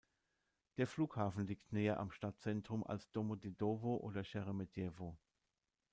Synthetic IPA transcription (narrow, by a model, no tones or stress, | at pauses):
d̥eːɐfluːkhaːfn̩liːktneːɐʔa̰mʃtat̚t͡sɛntʁ̥ʊmʔa̰lsd̥omodedoːvoʔo̰ːdɐʃɛʁemedɛːvo